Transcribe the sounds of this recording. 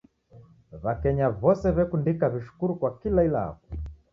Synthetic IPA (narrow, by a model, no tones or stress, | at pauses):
βakɛɲaβɔsɛβɛkundikaβiʃu̥kuɾukwakilailaa̰ku̥